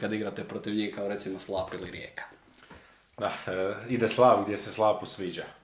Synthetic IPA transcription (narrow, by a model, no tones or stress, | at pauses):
kad̪iɡɾat̪epɾot̪iʋɲihkaoɾe̞t̪simoslˠaːpiliɾjeːkḁ | d̪aid̪eslˠaːbɡd̪ʲjeseslˠaːpusʋiːd͡ʑa